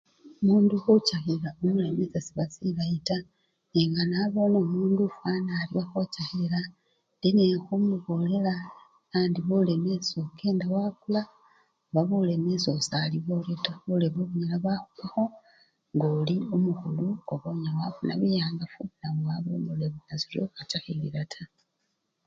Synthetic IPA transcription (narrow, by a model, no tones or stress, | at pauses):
muːnduxucaxilaomule̞me̞zasiβasilajita | eŋɡanaβo̞namuːndufaːnaːliaxocaxila | ndenexumuβo̞le̞la | aːndiβole̞me̞sokʰe̞ːndawakula | βaβule̞mesosaliβo̞letaβuleβuβuɲelaβaxukwaxo̞ | ŋɡoliomuxuluoβoɲawafuna̰βijaːŋɡafunaβoaβomuleβunaziljo̰xat͡ʃaxiliɾatʰa